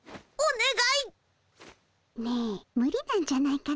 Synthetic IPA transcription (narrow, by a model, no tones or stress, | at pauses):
oneɡai | nemɯ̟ɾʲinãɲ̟d͡ʑanaika